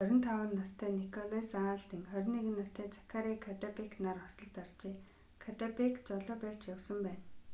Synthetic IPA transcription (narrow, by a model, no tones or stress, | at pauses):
œɾʲɪ̆nt̪ʰawʊnːast̪ʰæːnikʰɔɮesaɬt̪ĭŋχœɾ̆ʲniɣɘ̆nːast̪ʰeːt͡sʰḁkʰaɾiːkʰat̪apiknarɔsɞ̆ɮt̪art͡ɕiː | kʰat̪apikt͡sɔɮɞ̆ːpæːr̥t͡ɕjawsə̆mpæːn